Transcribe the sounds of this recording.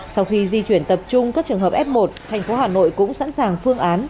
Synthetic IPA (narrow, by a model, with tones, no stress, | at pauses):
sa˧wxi˧zi˧t͡ɕwi˧˩ənt̪ə˨˩p̚t͡ɕʊ˧ŋ͡mkaː˦˥k̚t͡ɕɨ˨˩əŋɦəː˨˩p̚ʔɛ˦˥p̚mo˨˩t̚t̪ʰa˨˩jŋ̟fo˨˦haː˨˩no̰˧˨jkʊ̰˧˥ŋ͡msa̰˧˥nsaː˨˩ŋfɨ˧əŋʔaː˨˦n